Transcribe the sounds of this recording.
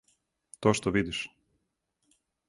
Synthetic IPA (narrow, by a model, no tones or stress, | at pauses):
t̪oʃt̪oʋid̪iʃ